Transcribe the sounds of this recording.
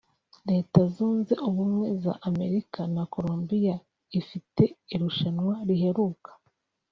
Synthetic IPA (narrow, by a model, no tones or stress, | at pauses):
ɾe̞ːtazuːnze̞ʔuβumŋe̞za̰ʔːme̞ɾikanako̞ɾombija | ifite̞iɾuʃanwaɾihe̞ɾuːkʰḁ